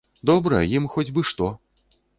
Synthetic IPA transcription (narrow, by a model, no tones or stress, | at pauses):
d̪ɔbɾɐ̰jimxɔd͡zʲbɨʂt̪ɔ